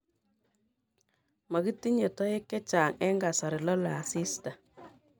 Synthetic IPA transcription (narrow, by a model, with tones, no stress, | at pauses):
ma˨ki˦ti˦ɲe˨tɔ˦je˦kːɛ˦t͡ʃaː˨ŋɛ˦ŋɡa˨sa˨ɾɪ˨lɔ˦la˨a˨si˦sta˨